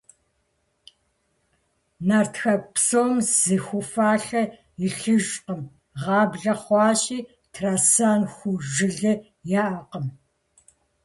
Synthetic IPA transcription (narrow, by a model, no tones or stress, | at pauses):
naːrtʰxɐpsoːmzɨxʷʊfaːɬɐ | ɪɬɨʒqəm | ʁɑːbɮɐχʷɑːʃiː | tʰraːsaːnxʷʊʒɨɮɨ | jaːʔɐqəm